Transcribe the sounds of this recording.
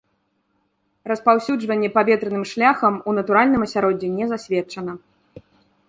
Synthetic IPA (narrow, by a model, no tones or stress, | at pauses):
rɐspawsʲud͡ʐvɐnʲːɛpavʲɛt̪ɾɛnɨmʂlʲaxɐmunɐt̪uɾalʲnɨmɐsʲaɾɔd͡zʲɛnʲɛzasʲvʲɛt͡ʂɐnɐ